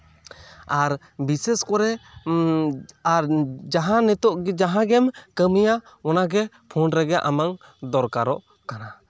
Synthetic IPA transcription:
aɾ | bisɛskɔɾɛ | aɾd͡ʒaɦãnɛt̪ɔʔɡd͡ʒaɦãɡɛmkəmija | ɔnaɡɛ | pʰɔnɾɛɡɛʔamaŋ | d̪ɔɾkaɾɔʔ | kana

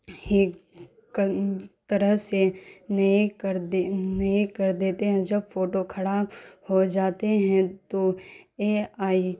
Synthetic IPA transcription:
he | kt̪ɐɾəɦsenikɾnɐĩkɐɾd̪eːt̪eɦɛ̃d͡ʒɐbfoːʈokʰɐɽaːphod͡ʒaːt̪eɦɛ̃t̪oeːaːi

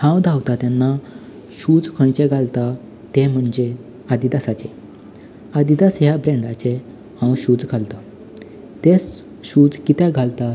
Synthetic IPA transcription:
hãwd̪ʱawt̪at̪janːa | ɕud͡zkʰəɳt͡ɕeɡʱalt̪a | t̪em̤əɳd͡ʑe | ad̪id̪asat͡ɕe | ad̪id̪asjabɾẽɳɖat͡ɕe | hãwɕuːd͡zɡʰʱalt̪a | t̪es | ɕud͡zkit̪ɛɡʱalt̪a

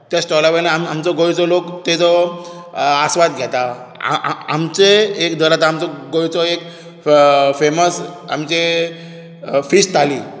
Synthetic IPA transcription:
t̪jasʈɔlaʋənaamamt͡sɔɡojt͡sɔlokt̪et͡sɔ | asʋat̪ɡʱɛt̪a̰ | a̰mt͡seːkd̪ʱəɾat̪aamt͡sɔɡojt͡sɔek | feməsa̰mt͡ɕe | fisʈt̪ʰaliː

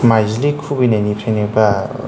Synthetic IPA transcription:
majzlikʰubinajnipʰenekba

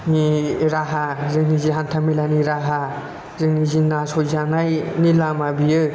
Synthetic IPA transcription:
niɾaɦazɯniziɦant̪ʰamilaniɾaɦa | zɯnizinasojzanajnilamabijɯ

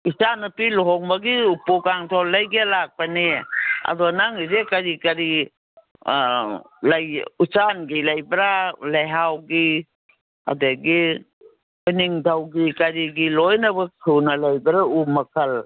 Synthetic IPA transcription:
isanɐpilɔɦɔŋmɐɡiupukaŋtʰɔlːɐjɡelak̚paneɐ̰dɔnaŋizekɐɾikɐɾi | lajut͡ʃanɡilɐjbɾalajɦawɡi | a̰deɡi | ojniŋdʰʱawɡikaɾiɡilɔjnɐbɐkʰunɐlɐjbɾaumɐkʰɐl

